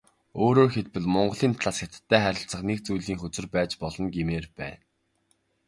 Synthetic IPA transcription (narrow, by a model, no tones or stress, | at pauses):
oːɾoːrxet̪̚pɘ̆ɮmɔɴɢə̆ɮiːmt̪ʰɮaːsxʲet̪̆t̪ʰːæːχæɾʲɪ̆ɬt͡sə̆χnek̚t͡sujɮiːŋxɵt͡sɘ̆rpæːt͡ɕpɔɮɞ̆nɡemeːrpæ̰ːn